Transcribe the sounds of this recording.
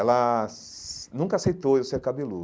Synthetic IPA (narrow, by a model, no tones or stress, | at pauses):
ɛlɐ | nũŋkɐasejt̪owewseɾkabilu